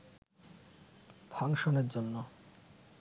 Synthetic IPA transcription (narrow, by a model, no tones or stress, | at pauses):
bʱɔŋʃoneɾd͡ʑonːo